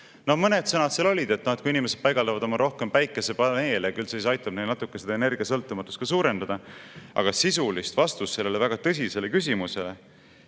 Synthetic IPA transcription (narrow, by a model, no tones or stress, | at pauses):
no̞hmɤned̪̥sɤnɑt̪selo̞lʲid̪e̞t̪ːˑnɑt̪kuiinimese̞d̥̪̚pɑjɡ̥ɑld̪ɑvɑd̪o̞mɑɾʔo̞hke̞mpæjkːˑesepɑne̞ːlɑkylseisɑjt̪ːˑɑb̥nejlnɑt̪ˑukːese̞d̪ɑene̞rɡ̥iɑsɤlt̪ːˑumɑt̪ːˑust̪̚kɑsuːɾe̞nd̪̥ɑd̪̥ɑɑ̰ɡ̥ɑsisulist̪vɑst̪ust̪ːse̞lːelevæɡ̥ɑt̪ɤs̬ʲise̞le̞kys̬ʲimuse̞le̞